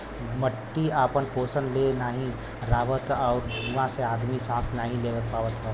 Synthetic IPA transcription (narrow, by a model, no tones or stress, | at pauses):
məʈːiapənpoːsənlenaːɦĩ | ɾaːʋət̪ɔʊɾuʋãseaːd̪misãːsnaːɦĩleʋət̪̚paːʋət̪ɦə